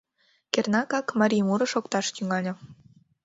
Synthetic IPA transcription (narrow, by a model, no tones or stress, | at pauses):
kernɑkɑkmɑɾʲijmuɾɤ̆ʃokt̪ɑʃt̪yŋɑlʲɤ̆